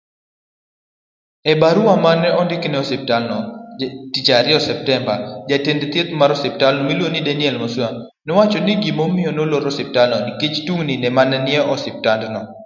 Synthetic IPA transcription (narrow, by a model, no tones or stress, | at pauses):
ɛbaɾuamanɛɔndɪknɛɔsɪp̚talnɔtit͡ʃaɾɪɔsɛp̚tɛmbad͡ʒatendt̪jet̪maɾɔsɪp̚talnɔmilwonidɛnɪɛlmɔswa | nɔwat͡ʃɔniɡimomɪɔnoloɾɔsɪp̚talnɔniket͡ʃtuŋninɛmanɛnɪɛɔsɪp̚tandnɔ